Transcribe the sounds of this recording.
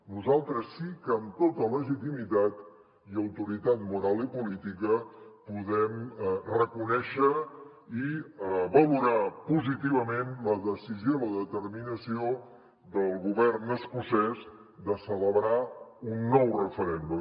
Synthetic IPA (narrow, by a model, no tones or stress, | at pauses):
nuzalˠt̪ɾəsːikəːmt̪ot̪ələʒit̪imit̪at̪ | iəwt̪uɾit̪at̪̚muɾalˠipulit̪ikəpuðɛmrəkunɛʃə | iβəluɾapuzit̪iβ̞əmenləðəsizioləðət̪ərminəsio | ðəlˠɣuβɛrnəskusɛz | d̪əsələβɾaunːɔwrəfəɾɛnd̪u